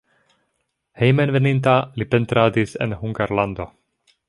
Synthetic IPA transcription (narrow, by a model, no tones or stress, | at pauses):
hejmenve̞nint̬alipe̞ntɾadisḛnhuŋɡaɾlando̞